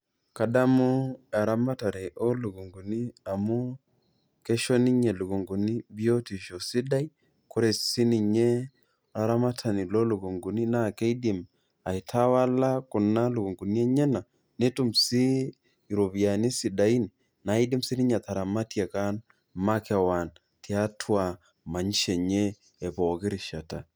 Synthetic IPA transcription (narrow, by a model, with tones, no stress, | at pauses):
ka˨da˦mʊ˦a˨ɾa˦ma˦ta˨ɾɛ˨ʔo˦lu˨ɡo˨ŋɡu˨ni˦a˨mu˦ | ke˦ʃo˦ni˦ɲe˨lu˨ɡo˨ŋɡu˨ni˦bi˦o˦ti˨ʃo˨si˦da˦i˦ | ku˦ɾɛ˨si˦ni˨ɲe˦ | a˨ɾa˦ma˦tʰa˨ni˨lo˦lo˨ɡo˨ŋɡu˨ni˦na˦˨ke˦i˦di˨m | a˨i˨tʰa˦wa˦la˦kʊ˨na˦lu˨ko˨ŋɡu˨ni˦ɛ˦ɲɛ˦na˨ | ne˦tu˦msiː˦˨ | ɾo˨βja˨ni˦si˨da˨i˦ni˨ | na˨˦i˦di˦msi˦ni˦ɲa˨t̪a˨ɾa˨ma˦tja˨ka˦n | ma˦kɛ˨wa˨n | tja˦tʰwa˨ | ma˨ɲ˦ʃɛ˨ɲe˦ | ɛ˨bɔ˨kɪ˦ɾɪ˨ʃa˨ta˨